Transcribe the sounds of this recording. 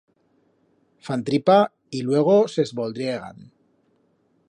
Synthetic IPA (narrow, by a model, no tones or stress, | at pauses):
fant̪ɾipa | ilwe̞ɣ̞o̞sezβold̪ɾieɣ̞a̰n